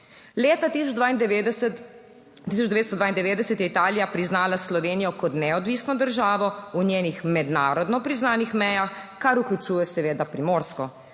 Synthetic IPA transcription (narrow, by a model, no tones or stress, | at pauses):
leːt̪at̪isɔd̪ain | t̪isɔt͡ʃd̪ɛʋedt̪st̪ɔd̪aind̪ɛʋeːd̪d̪ɛsɛt̪jɛit̪aːlijapɾiznaːlaslɔʋeːnijɔkɔt̪nɛɔd̪ʋiːsnɔd̪əɾʒaːʋɔunjeːnixmɛd̪naːɾɔd̪nɔpɾiznaːnixmɛjaxkaɾuklʲut͡ʃuːjɛsɛʋeːd̪apɾimoːɾskɔ